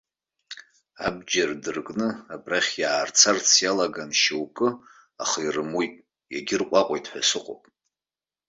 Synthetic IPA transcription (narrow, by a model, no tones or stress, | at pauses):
ab̚d͡ʒardɨrkʼnɨabraχʲjaːrt͡sʰart͡sʰjalaɡanʃewkʼɨ | aχairɨmujtʼ | jaɡʲɪrqʷʼaqʷʼojtʼħʷᶣasɨqʷʼo̰pʼ